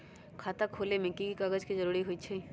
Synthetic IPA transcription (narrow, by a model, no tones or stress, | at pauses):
kʰaːt̪akʰoːlemẽkikaɡəd͡ʒkizɐɾuːɾiɦoit͡ʃʰe